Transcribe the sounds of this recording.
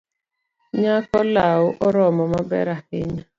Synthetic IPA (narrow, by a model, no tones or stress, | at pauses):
ɲakɔlaʊʔɔɾɔmɔmabɛ̰ɾahɪɲa